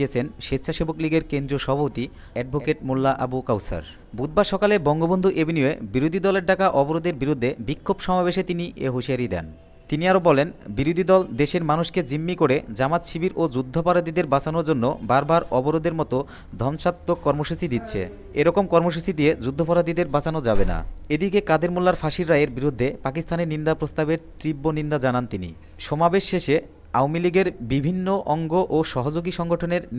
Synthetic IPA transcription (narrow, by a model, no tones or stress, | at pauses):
et͡ɕʰenʃet̪ːɕʰaʃebokliɡeɾkend̪ɾioʃɔbʱapot̪i | ɛɖ̚bʱokeʈ̚mulːaʔabukawsa̰ɾ | bud̪̚baʃɔkalebɔŋɡobond̪ʱuʔebʱinioebiɾod̪ʱid̪ɔleɾɖakaʔɔboɾod̪eɾbiɾud̪ʱːebikʰːobʃɔmabeʃet̪iniʔḛɦoʃiaɾid̪ɛ̰n | t̪iniaɾobɔlenbiɾod̪ʱid̪ɔld̪eʃeɾmanuʃked͡ʑimːikoɾed͡ʑamat̪ʃibiɾod͡ʑud̪ʱːopaɾad̪id̪eɾbat͡ɕanoɾd͡ʑonːo̰baɾbaɾɔboɾod̪eɾmɔt̪o | d̪ʱɔnʃatt̪ːokːɔɾmoʃut͡ɕid̪it̪ːɕʰḛ | eɾɔkomkɔɾmoʃ̬ut͡ɕid̪ied͡ʑud̪ʱːopaɾad̪id̪eɾbat͡ɕanod͡ʑabena̰ed̪ikekad̪ʱeɾmulːaɾfaʃiɾɾajeɾbiɾud̪ʱːepakist̪ʰaneɾnind̪apɾost̪abeɾt̪ɾibːonind̪ad͡ʑanant̪inḭ | ʃɔmabeʃːeʃe | awmiliɡeɾbibʱinːoʔɔŋɡoʔoʃɔɦod͡ʑoɡiʃɔŋɡoʈʰoneɾ